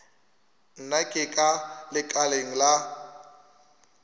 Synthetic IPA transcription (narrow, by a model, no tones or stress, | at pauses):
n̩nakʼɪkʼalɪkʼaleŋ̩la